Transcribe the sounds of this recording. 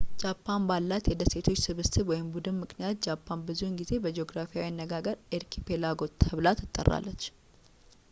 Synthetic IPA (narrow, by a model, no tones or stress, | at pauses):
d͡ʒapʰːanbalːat̪jɛd̪əse̞t̪ʰo̞t͡ʃːsɨβɨst̪ɨwɔjɪmbud̪ɨnmɨknijat̪̚d͡ʒapʰːanbɨzuŋɡize̞bəd͡ʒeoɡɾafijawianːəɡaɡəɾeɾkʰipʰe̞laɡo̞t̪ʰəβlat̪ʰːɨt̪ʼːə̰rːa̰lːət͡ʃː